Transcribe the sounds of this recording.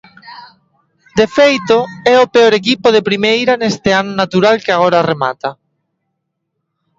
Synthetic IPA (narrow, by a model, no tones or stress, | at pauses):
d̪efejt̪oɛopeoɾek̬ipoðepɾimejɾanest̪eanonat̪uɾalkeaɣoɾarema̰t̪a